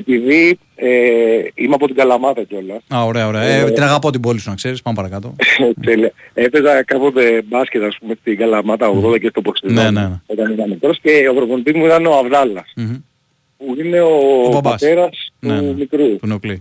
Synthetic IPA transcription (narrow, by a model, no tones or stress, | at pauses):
e̞piði | eimeɐpo̞t̪iɡɐlɐmɐt̪ɐco̞lɐsaoɾeɐoɾeɐeinɐɣɐpot̪ibo̞lisunɐkse̞ɾispɐmepɐɾɐkɐt̪ot̪e̞liɐe̞pe̞zɐkɐpo̞t̪e̞bɐscet̪ɐːspumest̪iɡɐlɐmɐt̪ɐoɣðoðd̪ɐcest̪oboksinonit̪ɐnenɐmikɾo̞sce̞opɾovonit̪izmuit̪ɐneo̞ɐvðɐlɐs | puine̞obat̪e̞ɾɐst̪umikɾuuneokli